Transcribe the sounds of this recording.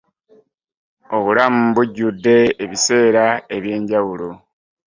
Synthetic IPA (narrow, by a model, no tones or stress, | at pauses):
o̞βulamubuɟːudːe̞ːβise̞ːɾae̞βje̞ːɲɟawulo̞